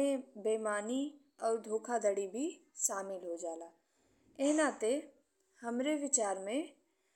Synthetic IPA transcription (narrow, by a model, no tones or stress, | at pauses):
ẽbeːmaːni | ɔːɾd̪ʱoːkʰad̪əɽibʱiʃaːmɪlɦod͡ʒaːlaː | eɦnat̪e | hɐmɾeʋɪt͡ʃaːɾmẽ